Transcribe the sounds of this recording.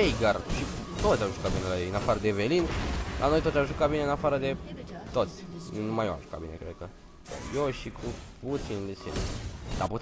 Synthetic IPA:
ejɡarʃit̪o̞t̪sʲjamʒukabinelajejɨnafaɾəd̪e̞velinlʔa̰no̞jt̪ot̪sʲjamʒukabineɨnafaɾəd̪e̞t̪ot̪sʲnumajoa̰mʒu̥ka̰t̪binekɾed̪̚kə̰ | joʃikʰuput̪sinlisḭl̰d̪aput̪

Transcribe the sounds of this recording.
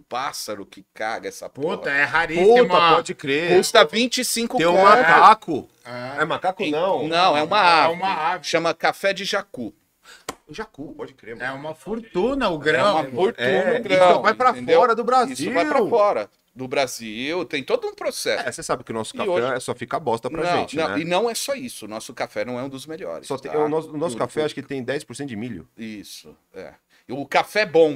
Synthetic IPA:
ʊpasɐɾʊkɪka̰ɡɐɛsɐ̰put̪ɐɛɦaɾiusmɐpɔd͡ʒɪkɾekust̪ɐvĩt͡ʃɪsĩkʊt̪ẽũmakakʊ | aɛũmakakʊɐ̃w̃nɐ̃w̃ɛũmɐaumɐaʃɐ̃mɐkafɛd͡ʒɪʒaku | ʒakupɔd͡ʒɪkɾeɛũmɐfoɾt̪ũnɐʊɡɾɐ̃mɐffoɾt̪ũnɐʊɡɾɐ̃ɔvaj̃pɾɐẽfewɔɾɐd̪ʊbɾazisiʊvajpɾɐfɔɾɐ | d̪ʊbɾaziwt̪ẽj̃t̪od̪ʊũpɾosɛsɛsesabɪkɪʊnɔsʊ̥kaɪoɛʒɛsɔfikabɔst̪ɐnp̪ɾaʒɐ̃ẽw̃ñt͡ʃnɐ̃wɛ̰̃ɪnɐ̃w̃ɛsɔisʊːnɔsʊkafɛnɐ̃w̃ɛũd̪ʊzmeʎɔ̰ɾɪ̰sɔt̪ẽaɛnɔsʊʊnɔsʊ̥kafɛaʃʊ̥kɪt̪ẽj̃d̪ɛjspʊɾsẽt̪ʊd͡ʒɪmiʎʊ̰isʊ | ɛ̰ | ʊkafɛbõ

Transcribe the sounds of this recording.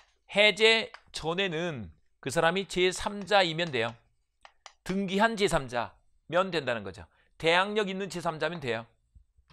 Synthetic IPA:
he̞d͡ʑe̞t͡ɕone̞nɯn | kɯsʰaɾamit͡ɕesʰamd͡ʑaimjʌndwe̞jo | tɯŋɡiɦant͡ɕesʰamd͡ʑa̰ | mjʌndwe̞ndanɯnɡʌd͡ʑo̰ | te̞ɦaŋɲʌɡinːɯnt͡ɕe̞sʰamd͡ʑamjʌndwe̞jo

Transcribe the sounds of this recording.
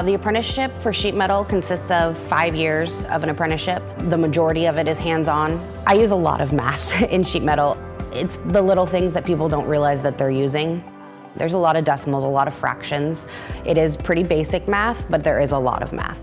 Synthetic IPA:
ðiɨpʰɹ̥ɛ̃ñɨʃɪpfə˞ʃit̚mɛɾl̩ˠkʰɨ̃n̩sɪstsʌv̥faɪvjɪɹzʌ̰vɨ̃nɨpʰɜ̃ñɨʃɪp̚ðəmɨd͡ʒɔɹɨɾiʌvɨɾɨz̥ɦæ̃ndzn̩ | ʔaɪjʉzəlɔ̰ɾʌvmæ̰θɪ̃nʃit̚mɛɾl̩ˠ | ʔɪtsðəlɪɾl̩ˠθɪ̃ŋzðɨt̚pʰipl̩ˠdõʊ̃nʔɹiəlaɪzðɨt̪̚ðə˞jʉzɪ̃ŋ | ðə̰˞zəlɔɾʌvdɛsm̩l̩ˠzəlɔɾʌv̥fɹæ̰kʃɨ̃nzʔɨɾɪz̥pʰɹ̥ɪɾibeɪsɨk̚mæθb̥ʌt̪̚ðə˞ʔɪzəlɔ̰ɾʌ̰vmæ̰θ

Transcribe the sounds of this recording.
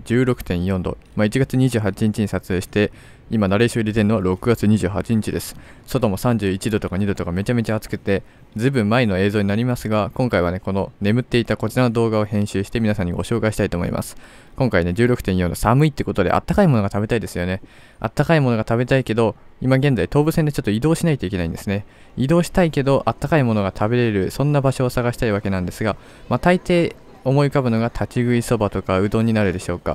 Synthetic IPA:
d͡ʑɨːɾo̞kɯ̟̥t̪ẽɰ̃jõ̞nd̪o̞̰ | mait͡ɕiɡat͡sɨɲ̟iʑɨːɦat͡ɕiɲ̟it͡ɕiɲ̟isat͡sɨe̞ːɕi̥t̪e̞ | imanaɾeiɕoɾʲit̪̬e̞noaɾo̞kɯ̟ɡat͡sɨɲ̟iʑɨːɦa̰t͡ɕiɲ̟it͡ɕid̪e̞sɨ̥ | so̞t̪o̞mo̞sãɲ̟d͡ʑɨːit͡ɕid̪o̞t̪o̞kaɲ̟id̪o̞t̪o̞kame̞t͡ɕame̞t͡ɕaːt͡sɨ̥kɯ̟t̪e̞ | d͡zɨibɯ̟̃mːaeno̞e̞ːzoːɲ̟inaɾʲimasɨɡakõŋkaiβane̞ko̞none̞mɯ̟t̪ːe̞it̪ako̞t͡ɕiɾano̞d̪o̞ːɡao̞hẽ̞ɰ̃ɕɨːɕi̥t̪e̞mʲinasãɲ̟ːiɡo̞ɕo̞ːkaiɕi̥t̪ait̪oːmo̰ḭmʔa̰sɨ̥ | kõ̞ŋkaine̞d͡ʑɨːɾo̞kɯ̟̥ẽ̞ɰ̃jo̞ːnosamɯ̟it̪eko̞t̪od̪e̞̰ʔa̰t̪ːakaimo̞no̞ɡat̪abe̞t̪aid̪e̞sɨjo̞ne̞ | a̰t̪ːakaimo̞no̞ɡat̪abe̞t̪aike̞d̪o̞imaɡenzait̪o̞ːbɯ̟send̪e̞t͡ɕo̞t̪ːoid̪o̞ːɕinait̪o̞ikʲe̞naĩnd̪e̞sɨne | id̪o̞ːɕi̥t̪aike̞d̪o̞ʔat̪ːakaimo̞no̞ɡat̪ʰabe̞ɾe̞ɾɯ̟sõ̞nːabaɕo̞ːsaɣaɕi̥t̪aiβ̞ake̞nãnd̪e̞sɨɡa | mat̪ait̪e̞ː | o̞mo̞ikabɯ̟no̞ɡat̪ʰat͡ɕiɡɯ̟iso̞bat̪o̞kaɯ̟d̪o̞ɲ̟ːinaɾɯ̟d̪e̞ɕo̞ːka̰

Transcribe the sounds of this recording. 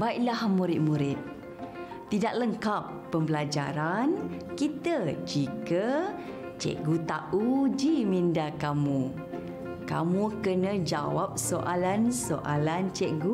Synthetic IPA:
baiʔlahmuɾɪt̪̚muɾɪt̪̚ː | idaʔ̚ləŋkapːəmbəlad͡ʒa̰ɾankit̪əd͡ʒikə | t͡ʃɛ̰ʔɡut̪aʔud͡ʒimindakamu | ka̰mukənəd͡ʒa̰wap̚soʔalansoʔalant͡ʃɛʔɡu

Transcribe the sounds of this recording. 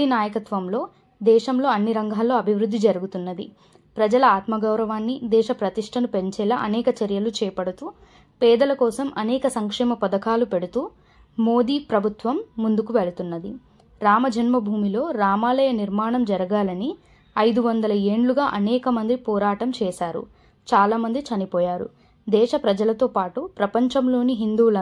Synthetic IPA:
inaːjɐkɐt̪ʋɐmlo̞ː | d̪ɛːʃɐmlo̞ːɐnːiɾɐŋɡʱaːlːo̞ːɐbʱiʋɾud̪ʱːid͡ʒɐɾuɡut̪unːɐd̪i | pɾɐd͡ʒɐlɐaːt̪mɐɡɐwɾɐʋaːnːid̪ɛːʃɐpɾɐt̪iʂʈʰɐnupe̞ɲt͡ʃɛlɐʔɐnɛːkɐt͡ʃɐɾjɐlut͡ʃɛːpɐɽut̪uː | pɛːd̪ɐlɐkɔːsɐmʔɐnɛːkɐsɐŋkʂɛːmɐpɐd̪ɐkaːlupeɽut̪uː | moːd̪iːpɾɐbʱut̪ʋɐmːund̪ukuʋeɭɐt̪unːɐd̪i | ɾaːmɐd͡ʒʱɐnmɐbʱuːmilo̞ːɾaːmaːlɐjɐniɾmaːɳɐmd͡ʒɐɾɐɡaːlɐni | ɐjd̪uʋɐnd̪ɐlɐe̞ːɳɖluɡaːʔɐnɛːkɐmɐnd̪ipɔːɾaːʈɐmt͡ʃɛːʃaːɾṵ | t͡ʃaːlaːmɐnd̪it͡ʃɐnipɔːjaːɾṵ | d̪ɛːʃɐpɾɐd͡ʒɐlɐt̪oːpaːʈupɾɐpɐɲt͡ʃɐmlo̞ːniɦind̪uːlɐ

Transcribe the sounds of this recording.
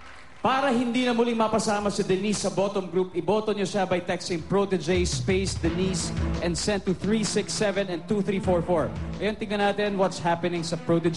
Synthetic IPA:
paːɾɐɦɪnd̪iːnɐmʊlɪŋmɐpɐsaːmɐsɪd̪ɛnisːɐbo̞t̪oŋɡɾupʔɪboːt̪oɲoʃabɐjt̪ɛkst̪ɪŋpɹot̪ɛd͡ʒejspejsd̪ɛnisʔɛ̃nd̪sɛ̃nt̪ːuθɹisɪksːɛvɛ̃nɛn̚t̪uθɾiːfoɹfoɹʔɐjont̪ɪŋɐnaːt̪ɪnwɐt̪shapɛnɪŋsɐpɹot̪ɛd͡ʒ

